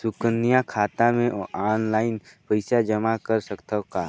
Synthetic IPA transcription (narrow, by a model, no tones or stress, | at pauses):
sʊkənːijãkʰaːt̪ãmẽʔʔaːnlaːɪnpəɪsad͡ʒəmakəɾsəkt̪əkaː